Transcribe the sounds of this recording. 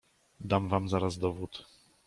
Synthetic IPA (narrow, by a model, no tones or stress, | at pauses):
d̪amvamzaɾazd̪ɔvut̪